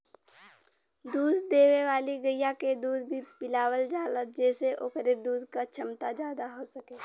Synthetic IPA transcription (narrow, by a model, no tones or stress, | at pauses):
d̪uːd̪ːeːweʋaːliɡəjaked̪uːd̪bʱipɪlaːwəld͡ʒaːlət̪̚d͡ʒɛːseʔokəɾed̪uːd̪kat͡ʃʰəmt̪ad͡ʒjaːd̪aɦoːsəkeː